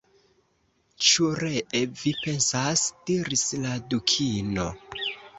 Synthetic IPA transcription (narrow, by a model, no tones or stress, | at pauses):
t͡ʃuɾeʔevipe̞nsasd̥iɾisladukʰino̞̰